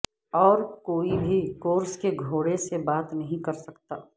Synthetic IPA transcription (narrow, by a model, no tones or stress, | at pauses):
ɔːɾkoːibʱikoːɾskeɡʱoːɽesebaːt̪nɐɦĩkɐɾsɐkt̪aː